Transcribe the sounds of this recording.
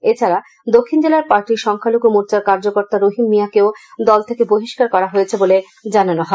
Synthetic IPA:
et͡ɕʰaɾa | d̪okʰːind͡ʑelaɾpaɾʈiɾʃɔŋkʰaloɡumuɾt͡ɕaɾkaɾd͡ʑokoɾt̪aɾoɦinmijakeod̪ɔlt̪ʰekeboɦiʃkaɾkɔɾaɦojet͡ɕʰebole | d͡ʑananoɦɔe

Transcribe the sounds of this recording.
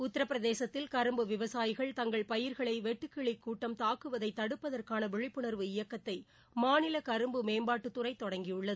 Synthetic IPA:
ʊt̪ːɐɾɐpːɾɐðeːsɐt̪ːɪlkɐɾɯmbɯʋɪʋɐsaːjɪɣɐɭt̪ɐŋɡɐɭpɐjɪɾɣɐɭɐɪʋɛʈːɯkːiɭɪkːuːʈːɐmt̪aːkɯʋɐðɐɪt̪ːɐɽɯpːɐðɐrkaːnɐʋɛɻɪpːɯɳɐɾʋɯɪjɐkːɐt̪ːɐɪ | maːnɪlɐkɐɾɯmbɯmeːmbaːʈːɯt̪ːɯɾɐɪt̪ːɔɽɐŋɡɪjʊɭːɐðɯ

